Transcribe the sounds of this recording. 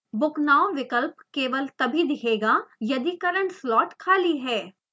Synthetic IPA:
bʊknaːoʋɪkəlpkeːʋəlt̪ɐbʱid̪ɪkʰeːɡajɐd̪ikɐɾə̃ɳʈslɔːʈkʰaːliɦɛː

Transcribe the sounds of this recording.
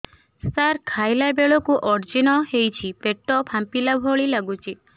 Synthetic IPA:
saɾkʰajlabeɭɔkuʔɔɾd͡ʒinɔɦejt͡ʃʰipeʈɔpʰampilabʱɔɭilaɡut͡ʃʰi

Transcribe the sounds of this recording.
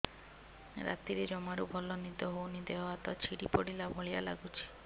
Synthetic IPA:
ɾa̰t̪iɾed͡ʒɔmaɾubʱɔlɔnid̪ɔɦownid̪eɦɔat̪ɔt͡ʃʰiɽipɔɽilabʱɔɭijala̰ɡut͡ʃʰi̥

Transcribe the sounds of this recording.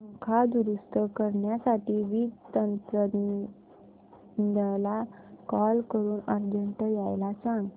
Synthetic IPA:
mukʰad̪uɾust̪əkəɾɳjasaʈiːʋiːt̪ənt̪ɾə | əla | kɔlkəɾuːnəɾd͡ʑəɳʈəjajlasãŋɡ

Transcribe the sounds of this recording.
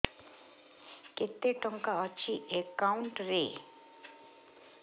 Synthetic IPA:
ket̪ːeʈɔŋkaɔt͡ɕiʔekawɳʈɾe

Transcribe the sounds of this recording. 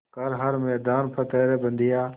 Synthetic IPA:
kɐɾɦɐɾmeːd̪aːnpʰət̪eːɾebə̃nd̪ijaː

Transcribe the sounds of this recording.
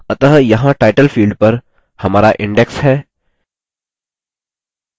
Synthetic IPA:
ɐt̪əɦjɐɦãʈaːɪʈəlfiːlɖ̚pɐɾ | hɐmaːɾaʔɪ̃ɳɖeksɦɛː

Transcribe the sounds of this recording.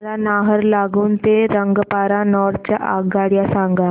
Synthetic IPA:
lanaɦəɾlaɡuːnt̪eɾəŋɡpaɾanɔɾʈ̚t͡ɕja̰ʔaɡaɽjasaŋɡa

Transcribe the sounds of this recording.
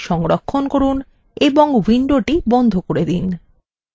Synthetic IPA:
ʃɔŋɾokʰːonkoɾun | eboŋwiɳɖoʈibɔnd̪ʱokoɾed̪in

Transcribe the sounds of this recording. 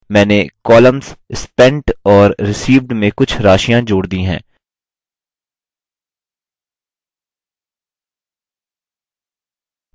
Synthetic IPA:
mɛ̃ːnekɔːlə̃mzɪspɛ̃ɳʈɔːɾːɪsiːʋɖmẽkʊt͡ʃʰɾaːʃijãd͡ʒoːɽd̪ĩɦɛ̰̃ː

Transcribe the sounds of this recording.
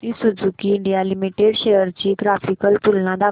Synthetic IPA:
t̪isud͡zʱukiːɳɖijalimiʈeɽɕejəɾt͡ɕiːɡɾafikəlt̪ulnãd̪a

